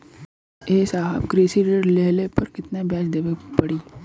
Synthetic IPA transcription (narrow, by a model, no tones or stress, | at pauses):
eːsaːɦabkɾeːsiɾɾleːlepɐɾkɪt̪nabjaːd͡ʒd̪eːʋepɐɽiː